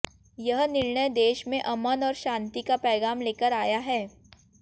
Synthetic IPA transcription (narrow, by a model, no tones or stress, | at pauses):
jəɦnɪɾɳəjd̪eːʃmẽʔɐmənɔːɾʃãːnt̪ikapɛːɡaːmleːkəɾaːjaɦɛː